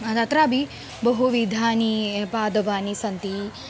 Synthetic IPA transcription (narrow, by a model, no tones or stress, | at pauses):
ɐt̪ɐt̪ɾabʱi | bɐɦuʋid̪ʱaːnipaːd̪ɐʋaːnisɐnt̪i